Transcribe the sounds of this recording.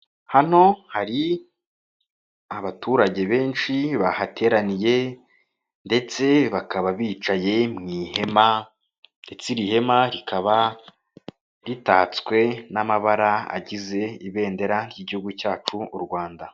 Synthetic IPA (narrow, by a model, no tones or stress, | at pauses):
han̥o̞haɾi | aβatʰuːɾaɟe̞βe̞ːnʃiβahatʰe̞ːɾanije̞ | nde̞t͡se̞βakaβaβiːt͡ʃaje̞mŋiːhe̞ma | nde̞t͡siɾihe̞maɾikʰaβa | ɾitaːt͡skwe̞namaβaɾaa̰ɟize̞iβe̞ːnde̞ɾaɾjiːɟihuɡucaːt͡ʃuːɾɡwaːnda